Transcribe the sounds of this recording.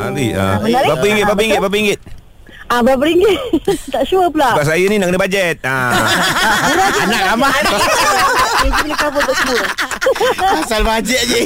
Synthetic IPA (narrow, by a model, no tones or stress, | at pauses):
a̰ɾḭa̰mənaɾbapəiŋɡɪt̪̚bapiŋɪt̪̚bap̬əiŋɡɪt̪̚ | abap̬əɾiŋɡɪt̪aʔʃuəpəlabaʔ̚sajəninaʔkənəbad͡ʒɛt̪̚a | uɾaanakama | id͡ʒilikabət̪aʔsəbu | asalbad͡ʒɛt̪̚d͡ʒi